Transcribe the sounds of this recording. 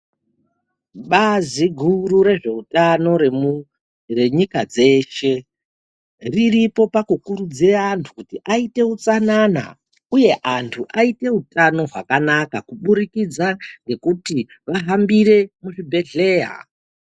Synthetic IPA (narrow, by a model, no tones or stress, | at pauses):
ɓaziɡʱuruɾe̞ʐe̞utano̞re | re̞ɲikad͡ze̞ʃe̞ | riripo̞pakukuɾud͡ziantʰu̥kutiʔaite̞ut͡sanana̰ | uje̞ʔantʰuʔaite̞utano̞ɦwa̰kanakakuɓuɾikid͡zaŋɡe̞kuti | ʋaɦambiɾe̞muʐibʱe̞ɮe̞ːja̰